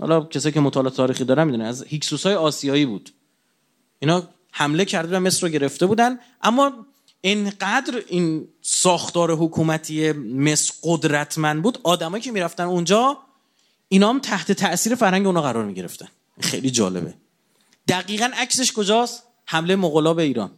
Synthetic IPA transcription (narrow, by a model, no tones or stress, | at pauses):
hɒ̰lɒcʰesɒːjikʰcʰemot̪ʰɒːlɒːt̪etʰɒːɾixid̪ɒːɾænmid̪unææzhiksuːshɒːjeɒːsijɒːiːbuːd̪̥ | ʔinɒː | hæmlecʰæɾd̪evæme̞sɾɾoɟe̞ɾe̞ft̪e̞buːd̪æn | ʔæmːɒː | enɢæd̪ɾiːnsɒːxt̪ɒːɾe̞ɦokʰuːmæt̪ʰijeme̞sɾɢod̪ɾæt̪ʰmænbuːd̪ɒːd̪æmɒːjicʰe̞miːɾæft̪ænund͡ʒɒː | inɒːæmt̪ʰæht̪ʰe̞t̪ʰæʔsiːɾe̞fæɾhæŋɟeuːnɒːɣæɾɒːɾmiɟe̞ɾe̞̰ft̪æn | inxejlid͡ʒɒ̰ːlebḛ | d̪̥æɣiːɣænæcse̞ʃko̞d͡ʒɒːst̪ | hæmle̞jemoɣolɒːbe̞iːɾɒ̰ːn